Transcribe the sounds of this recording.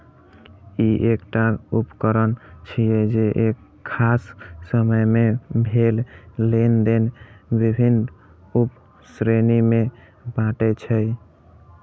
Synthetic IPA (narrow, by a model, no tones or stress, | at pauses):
iʔekʈaupkəɾənt͡ʃʰijɛd͡ʒeʔekʰːasːəməjmebʱellend̪enbibʱin | up | sɾenime | baʈɛt͡ʃʰəj